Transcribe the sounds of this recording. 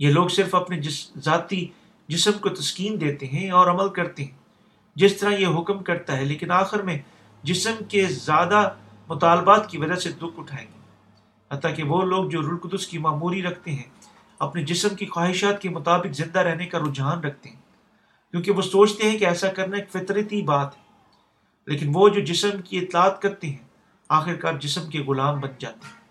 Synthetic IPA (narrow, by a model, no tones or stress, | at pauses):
jeloːɡsɪɾfɐpnezaːt̪i | d͡ʒɪsəmkot̪ɐskiːmd̪eːt̪eɦɛ̃ɔːɾɐməlkɐɾt̪eɦɛ̃ː | d͡ʒɪst̪ɐɾãjeɦʊkmkɐɾt̪aɦɛleːkɪnaːxɪɾmẽ | d͡ʒɪsəmkezjaːd̪a | mʊt̪aːlbaːt̪kiʋɐd͡ʒased̪ʊkʰʊʈʰaːẽːŋɡeː | ɦɐt̪ːakeʋoːloːɡ̚d͡ʒoːɾʊlkʊd̪ʊskimaːmuːɾiɾɐkʰt̪eɦɛ̃ | ɐpned͡ʒɪsəmkixwaːɦɪʃaːt̪̚kemʊt̪aːbɪkzɪ̃nd̪aɾɛɦnekaɾʊd͡ʒɦaːnɾɐk̚ʰt̪eɦɛ̃ː | kjõːkeʋosoːt͡ʃʰt̪eɦɛ̃keɛːsakɐɾnaeːkfɪt̪ɾət̪ibaːt̪ɦɛː | lʔeːkɪnʋod͡ʒoːd͡ʒɪsəmkiɪt̪laːt̪kɐɾt̪eɦɛ̃ | aːxɪɾkaːɾd͡ʒɪsəmkeɣʊlaːmbɐnd͡ʒaːt̪eɦɛ̃ː